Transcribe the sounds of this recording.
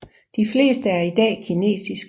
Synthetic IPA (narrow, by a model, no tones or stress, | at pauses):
d̥ifle̝̰ːsd̥əæɐid̥ɛ̰ːkʰine̝̰ːsisɡ̥